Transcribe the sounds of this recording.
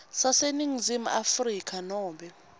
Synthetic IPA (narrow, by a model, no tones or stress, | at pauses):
saseniŋizim̩afrikʰʼanɔːɓɛ